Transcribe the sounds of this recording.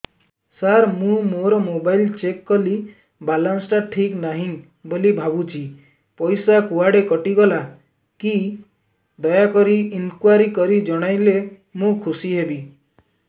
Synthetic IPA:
saɾmũmoɾɔmobajlt͡ʃekːɔli | balansʈaʈʰiknaɦĩ | bolibʱabut͡ʃʰi | pɔjsakuaɽekɔʈiɡɔla | ki | d̪ɔjakɔɾiinkwaɾikɔɾid͡ʒɔɽ̃ajle | mũkʰusiɦebi

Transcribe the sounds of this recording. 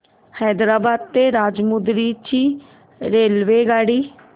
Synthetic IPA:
hɛːd̪ɾaːbaːd̪̚t̪eːɾaːd͡ʒmʊd̪ɾiːt͡ʃiː | ɾeːlʋeːɡaːɽiː

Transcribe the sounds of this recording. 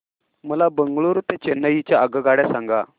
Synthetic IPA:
məlabəŋɡɭuɾt̪et͡ɕenːəjit͡ɕjaəɡəɡaɽjasaŋɡa

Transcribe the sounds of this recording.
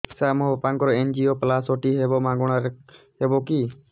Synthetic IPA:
samɔɦbɔpaŋkɔɾɔend͡ʒioplasɔʈiɦebɔmãɡɔɽ̃aɾ | hebɔki

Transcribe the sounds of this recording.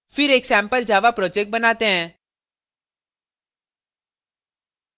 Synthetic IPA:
fɪɾeːksɛ̃ːmpəld͡ʒaːʋapɾɔːd͡ʒɛk̚ʈ̚bɐnaːt̪eɦɛ̃ː

